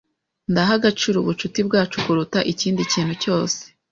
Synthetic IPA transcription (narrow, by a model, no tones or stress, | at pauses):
ndaɦaɡat͡ʃiɾuβut͡ʃutibɡaːt͡ʃukuɾutaʔiciːndiciːnhuco̞ːse̥